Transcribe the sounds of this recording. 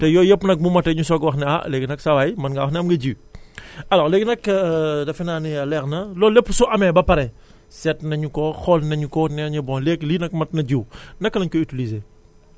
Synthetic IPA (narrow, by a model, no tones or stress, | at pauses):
tɛjɔːjɐpːnɐk̚mumɐtɛɲusɔɡwɐxnɛɐ̰leːɡinɐksɐwaːjmɐnɡɐwɐxnɛɐmɡɐɟi | ɐlɔːɾleːɡnɐkdɐfinaːniɐlɛxnɐlɔːlːepːusuʔɐmɛbɐpɐɾɛ | sɛtnɐɲukɔxɔlnɐɲukɔnɛɲɐbɔnlɛkliːnɐk̚mɐt̚nɐɟiwnɐkːɐnɐɲkɔytilizeː